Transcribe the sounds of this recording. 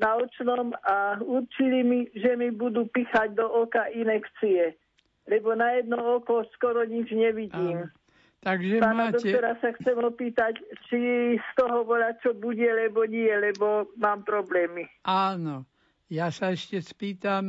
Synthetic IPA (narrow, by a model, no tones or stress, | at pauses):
naɔt͡ʃnɔmauɾt͡ʃilimiʒɛmibud̪upixaɟd̪ɔʔɔkaʔinɛkt͡siɛ | lɛbɔnajɛd̪nɔɔkɔskɔɾɔɲid͡ʒɲɛʋiɟiːm | t̪aɡʒɛpaːnad̪ɔkt̪ɔɾasaxt͡sɛmɔpiːt̪act͡ʃist̪ɔɦɔʋɔlat͡ʃɔbuɟɛlɛbɔɲiɛlɛbɔmaːmpɾɔblɛːmiaːnɔ | jaːsaɛʃcɛspiːt̪am